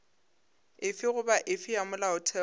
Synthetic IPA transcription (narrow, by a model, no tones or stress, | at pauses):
ɪfɪɣʊbaʔɪfɪjamʊlaʊtʰɛ